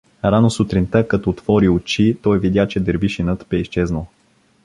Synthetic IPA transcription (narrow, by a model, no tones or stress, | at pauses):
ɾanosut̪ɾint̪əkɐt̪ɔːt̪vɔɾiʊt͡ʃit̪ɔjvid̪jat͡ʃɛd̪ɛɾbiʃinət̪bɛiʃt͡ʃɛznəlˠ